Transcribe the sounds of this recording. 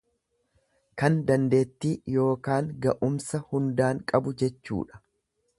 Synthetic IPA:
kɐnd̪ɐnd̪e̞ːt̪ːiːjo̞ːkaːŋɡɐʔʊmsɐhʊnd̪aːŋkʼɐbʊd͡ʒɛt͡ʃːṵːᶑɐ̥

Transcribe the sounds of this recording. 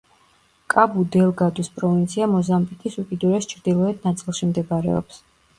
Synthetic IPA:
kʼabud̪ɛlˠɡad̪uspʼɾɔvint̪sʰiamɔzambik̪ʼisukʼid̪uɾɛst͡ʃʰɾd̪ilˠɔɛd̪̚nat̪sʼilˠʃimd̪ɛbaɾɛ̰ɔ̰ps

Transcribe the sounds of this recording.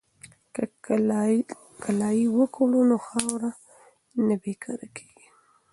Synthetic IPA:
kalɑjiwəkolunoxɑwɾa | nabekʰɑɾakʰe̥ɡi̥

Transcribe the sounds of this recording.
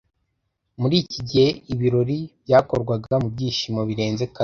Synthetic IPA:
muɾiːciɟihe̞iβiɾo̞ɾibjaːko̞ɾɡwaɡamubɟiːʃimoβiɾe̞ːnze̞ka

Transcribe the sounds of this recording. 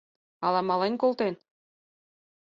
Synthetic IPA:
ɑlɑmɑlenʲkolˠt̪en

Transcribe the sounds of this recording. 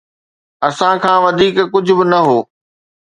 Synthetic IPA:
ɐsãkʰãːʋɐd̪ʱiːkkʊd͡ʑʱʊ̆bɪnɐɦoː

